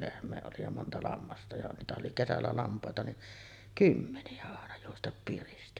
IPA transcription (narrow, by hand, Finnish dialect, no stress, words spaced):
lehmˑeː oli jɑ montɑ lɑmːɑstɑ jɑ niːtæhæʔ ʔoli kesælːæ lɑmpˑɑˑetɑ niʔ kymːeniæ ɑˑenɑ juostɑp piristi